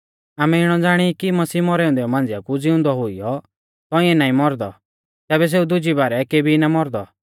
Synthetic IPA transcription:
aːmɛɪɽ̃ɔd͡zaːɽ̃ikimɐsiːmɔɾɛːʊ̃nd̪ɛɔmãːnd͡zɪakud͡zɪʊ̃nd̪ɔɦʊijɔ | t̪ɔĩɛ̃naːĩmɔɾd̪ɔ | t̪ɛːbɛs̬eːud̪ʊd͡ʒibaːɾɛkeːbʱinamɔɾd̪ɔ

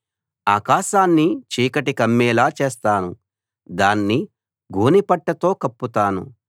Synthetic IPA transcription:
aːkaːʃaːnːit͡ʃiːkɐʈikɐmːɛːlaːt͡ʃeːst̪aːnu | d̪aːnːi | ɡʱoːnipɐʈːɐt̪o̞ːkɐpːut̪aːnṵ

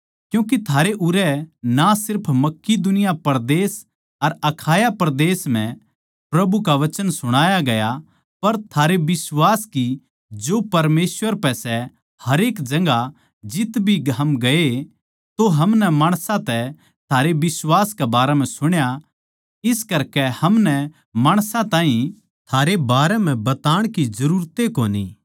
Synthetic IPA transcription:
kjũːk̬it̪ʰaːɾeʔʊɾɛnasɪɾpʰmɐkːid̪ʊnɪjapɐɾd̪eːs | ɐɾɐkʰaːjapɐɾd̪eːsm̤ɛ̃ | pɾɐbukaʋɐt͡ʃənsʊɽ̃aːjaɡɐja | pɐɾt̪ʰaːɾebɪswaːski | d͡ʒoːpɐɾmeːsʋəɾpɛsɛ | hɐɾeːkd͡ʒɐ̃ŋɡa | d͡ʒɪt̪bʱiɡɦɐmɡɐe | t̪oɦɐmnɛmaːɽ̃sãt̪ɛ | t̪ʰaːɾebɪswaːskɛbaːɾɛm̤ɛ̃sʊɽ̃ja | ɪskɐɾkɛhɐmnɛ | maːɽ̃sãt̪ãːɦĩ | t̪ʰaːɾebaːɾɛm̤ɛ̃bɐt̪aːɽ̃kizɐɾuːɾt̪ekoːnḭː

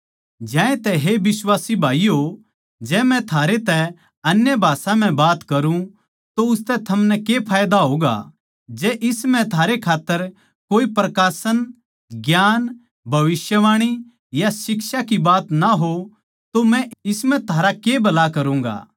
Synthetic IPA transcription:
d͡ʒɛ̃ːẽt̪ɛɦebɪswaːsibʱaːiɦo | d͡ʒɛːmɛ̃t̪ʰaːɾet̪ɛ | ɐnjəbʱaːsãm̤ɛ̃baːt̪kɐɾũ | t̪oʊst̪ɛt̪ʰɐmnɛkepʰaːjd̪aɦoːɡa̰ | d͡ʒɛːʔɪsmɛ̃t̪ʰaːɾekʰaːt̪ːəɾ | koːipɾɐkaːsən | ɡjaːn | bʱɐʋɪsjəʋaːɽ̃i | jasɪksakibaːt̪naɦo | t̪omɛ̃ɪsmɛ̃t̪ʰaːɾakebɐlakɐɾũːŋɡa̰ː

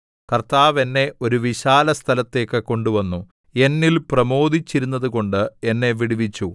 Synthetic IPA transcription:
kɐrt̪aːʋe̞nːe̞ʔo̞ɾuʋiɕaːlɐst̪ʰɐlɐt̪ːe̞ːkːɨko̞ɳɖuʋɐnːu | e̞nːilprɐmo̞ːd̪it͡ɕːiɾunːɐðuɣo̞ɳɖɨe̞nːe̞ʋiɽiʋit͡ɕːu

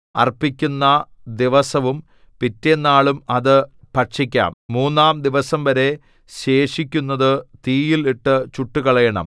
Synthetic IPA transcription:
ɐ̰rpːikʲːunːɐd̪iʋɐsɐʋum | pitːenːaːɭumɐðɨ | pɐʂikʲːa̰ːmːuːnːaːmd̪iʋɐsɐmʋɐɾe̞ | ɕe̞ːʂikʲːunːɐðɨt̪iːjiliʈːɨt͡ɕuʈːukɐɭɐjɐɳɐ̰m

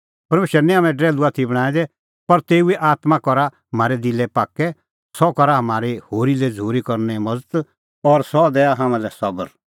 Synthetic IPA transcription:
pɐɾmeːʃɾɛnĩɦaːmɛ̃ɖɾɛːluat̪ʰibɐɽ̃ãːɛ̃d̪ɛ | pɐɾt̪eːuɛʔaːt̪mãkɔɾa | ɐmaːɾɛd̪ilɛpaːkɛ | sɔkɔɾaɦɐmaːɾehoːɾilɛd͡zʱuːɾikɔɾnɛmɐd͡zt̪ | ɔːɾsɔd̪ɛːaɦãːmãlɛsɐbəɾ

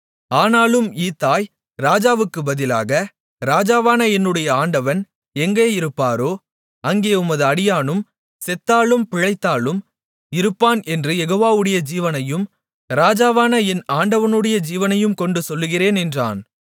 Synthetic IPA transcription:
aːnaːlɯmiːt̪ːaːj | ɾaːd͡ʒaːʋɯkːɯbɐðɪla̰ːɣɐ | ɾaːd͡ʒaːʋaːnɐɛnːɯɽɐjɐaːɳɖɐʋɐn | ɛŋɡeːɪɾɯpːaːɾoː | ɐŋɡeːʊmɐðɯɐɽɪjaːnɯm | sɛt̪ːaːlɯmpɪɻɐɪt̪ːaːɭɯm | ɪɾɯpːaːnɛndrɯjɛɣoːʋaːʋɯɽɐjɐd͡ʒiːʋɐnɐjɯm | ɾaːd͡ʒaːʋaːnɐɛnaːɳɖɐʋɐnɯɽɐjɐd͡ʒiːʋɐnɐjɯmkɔɳɖɯsɔlːɯɣɪreːnɛndra̰ːn

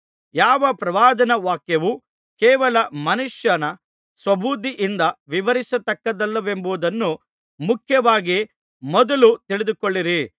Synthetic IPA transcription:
jaːʋɐpɾɐʋaːd̪ɐnɐʋaːkjɐʋu | kɛːʋɐlɐmɐnuʂjɐnɐ | sʋɐbʱuːd̪iʔind̪ɐʋiʋɐɾisɐt̪ɐkːɐd̪ɐlːɐʋe̞mbuʋud̪ɐnːu | mukʰjɐʋaːɡi | mɔd̪ɐlut̪iɭid̪ukoɭːiɾi

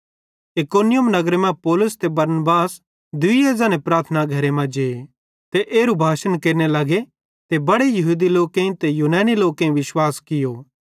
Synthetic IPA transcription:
ɪkoːnɪjʊmnɐɡɾemɛ̃pɔːlʊst̪ebɐɾnbaːs | d̪ʊieːzãːnepɾaːt̪ʰənaɡʱɐɾemɛ̃d͡ʒee | t̪eʔeːɾubʱaːʃənkeːɾnelɐɡe | t̪ebɐɽejɐɦuːd̪iloːkẽĩt̪ejuːnaːniloːkẽĩʋɪʃwaːskɪjoː

